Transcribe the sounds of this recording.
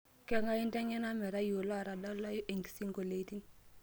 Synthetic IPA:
kɛ˦ŋɡa˦i˦ntɛ˦ŋɛ˦na˦mɛ˨ɾa˦ju˨lɔ˦˨ɾa˨da˦lɔ˦jʔi˨ŋɡi˨si˦ŋɡo˨le˨˦ti˦ŋ

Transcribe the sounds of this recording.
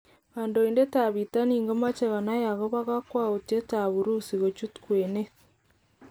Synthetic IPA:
ɣaː˨ndoinde˦ta˨βita˦niː˨ŋɡo˦ma˦t͡ʃe˨ɣa˨na˦ja˨ɣo˦βa˦ɣa˦kwa˦ute˦taβuɾu˦siɣo˨t͡ʃu˦tkwene˦

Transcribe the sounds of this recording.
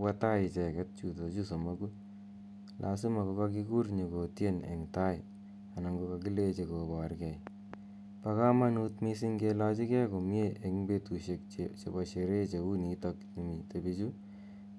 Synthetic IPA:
wa˦ta˦ɪ˨t͡ʃɛ˨kɛ˦t̚t͡ʃu˨to˨t͡ʃu˦so˨ma˦ku | lʔa̰˨si˦ma˨ko˧ka˦ki˦ku˦rɲi˨ko˨tje˦nḛ˨ŋta˦jɪ | a˨na˨ŋɡo˧ka˧ki˦le˦t͡ʃe˧ko˨bɔ˨rkɛ˨j | pa˧ka˦ma˦nutmi˦si˦ŋɡe˧la˦t͡ʃi˦kɛ˦ko˨m˦e˦ʔe˨kŋbe˧tu˨ʃe˧k̚t͡ʃe˨ba˨ʃe˨ɾe˦t͡ʃe˨u˦ni˨tɔ˧kni˨mi˨te˨bit͡ʃu˦

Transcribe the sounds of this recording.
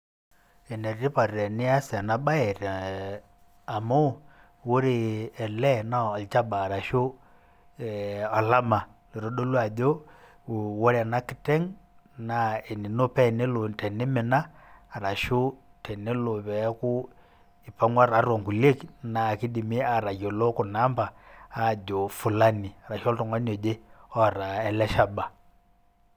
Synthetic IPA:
ɛ˨nɛ˨ɾi˦pa˨ɾi˨ɾɛ˨nɪ˦a˦sa˨na˦ba˦ɛ˨ɾ | a˨mo˦˨ | wu˦ɾi˨ɛ˨lɛ˦na˦˨lt͡ʃa˦baː˨ɾa˨ʃo˦ | a˨la˦ma˨lɛ˨ɾɔ˨˦ɗo˦lwa˨dɔ˦ | wɔ˦ɾa˨na˦ki˦tɛ˦ŋ | na˨ɛ˨ni˨no˦pɛ˦˨ne˦lo˨tɛ˨ni˦mɛ˨naː˦˨ɾa˨ʃo˦tɛ˨nɛ˦lo˨βɛ˨˦ku˦ | i˨pa˦ŋɡwa˦ɾa˨˦ɾwɔ˨ŋku˨le˦kna˨ki˦di˨mi˦a˨ɾa˨jɔ˨lɔ˦ku˨na˦mba˨a˦˨ɟɔ˨fu˨la˦ni˨a˨ɾa˨ʃɔ˦ltɔ˨ŋɡa˦nɔ˨d͡ʒɛ˦ɔ˦˨ɾa˨ɛ˨lɛ˦ʃa˦ba˨

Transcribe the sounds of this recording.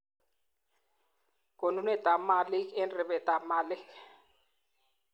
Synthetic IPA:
kʼo˨nu˨˦nɛ˦ta˨ma˨lɪ˦kɛ˦nrɪ˨bɛ˨ta˨ma˨lɪ˦k

